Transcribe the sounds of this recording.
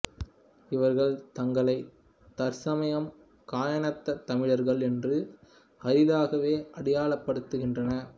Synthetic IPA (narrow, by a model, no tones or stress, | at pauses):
ɪʋɐɾɣɐɭt̪ɐŋɡɐɭɐɪ | t̪ɐɾsɐmɐjɐm | kaːjɐɳɐt̪ːɐt̪ːɐmɪɻɐɾɣɐɭɛndrɯ | ʔɐɾɪðaːɣɐʋeːʔɐɽɪjaːɭɐpːɐɽɯt̪ːɯɣɪndrɐnɐ